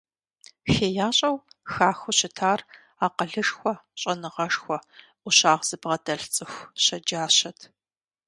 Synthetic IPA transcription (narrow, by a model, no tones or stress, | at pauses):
xeːjaːɕʼɐwxaːxʷʊɕɪtʰaːr | aːqəɮɨʂxʷɔɕʼɐnɨʁɐʂxʷɔ | ʔʷʊɕaːʁz̥ɨbʁɐdɐɬt͡sʼɨxʷɕɐd͡ʒaːɕɐtʰ